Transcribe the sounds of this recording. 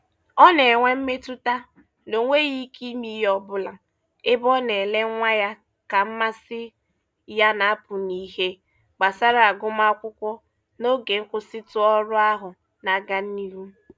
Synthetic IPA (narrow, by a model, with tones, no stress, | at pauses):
ɔ˦ne˨ŋʷe˦m̩˦me˦tʊ˦ta˦ | no˨˦ŋʷe˦ɣi˦kʰi˦mi˦jɔ˦bʊ˦la˨ | ɪ˦bɔ˦ne˨le˦ŋʷa˦ja˦ | ka˨m̩˦ma˦sɪ˦ | ja˦na˨˦pʊ˨ni˨he˦ | ɡ͡ba˨sa˦ɾa˨a˨ɡʊ˦ma˦ɔ˦kʷʊ˦kʷɔ˦ | no˦ɡe˨ŋ̩˦kʷʊ˦sɪ˦tʊ˦ɔ˦ɾʊ˦a˦ɦʊ˨ | na˨ɡa˦n̩˦ni˦ɾu˦